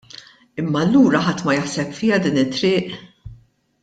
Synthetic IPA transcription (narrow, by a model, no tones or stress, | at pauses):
ɪmːɐlːuːɾɐħɐt̪ːmɐjɐħsɛpfɪːjɐd̪iːnɪt̪ːɾɪːʔ